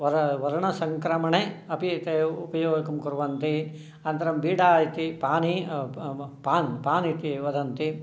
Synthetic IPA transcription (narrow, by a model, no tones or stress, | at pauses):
ʋɐɾɐʋɐɾɐɳɐsɐŋkɾɐmɐɳeɐpit̪eupɐjoːɡɐkɐmkuɾuʋɐnt̪i | ɐnt̪ɐɾɐmbiːɖaːjit̪ipaːni | paːnpaːnit̪iʋɐd̪ʱɐnt̪i